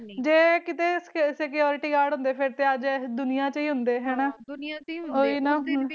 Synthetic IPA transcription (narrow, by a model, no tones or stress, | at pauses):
d͡ʒeːkɪt̪eːsekijɔːɾɪʈiːɡaːɾɖɦʊ̃nd̪eːpʰɪɾt̪eːəd͡ʒd̪ʊnɪjãːt͡ʃiːɦʊnd̪eːɦɛːnaː | oːiːnaː